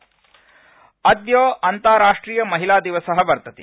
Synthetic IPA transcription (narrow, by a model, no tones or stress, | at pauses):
ɐd̪joːɐnt̪aːɾaːʂʈɾiːjɐmɐɦilaːd̪iʋɐsɐɦɐbɐɾt̪ɐt̪ḭ